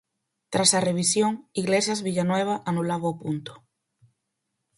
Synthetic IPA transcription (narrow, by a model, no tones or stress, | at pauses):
t̪ɾasɐreβ̞isjoŋiɣlesjazβiʎanwɛβ̞aʔanulaβaːpunt̪o̥